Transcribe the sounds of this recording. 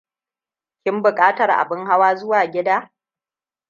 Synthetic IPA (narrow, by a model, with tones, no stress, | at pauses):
kʲɪ˦mbʊ˨kʼaː˦tɐ˨rʔa̰˨bɪ˦ŋɦa˦waː˦zʊ˦waː˨ɡʲɪ˦daː˦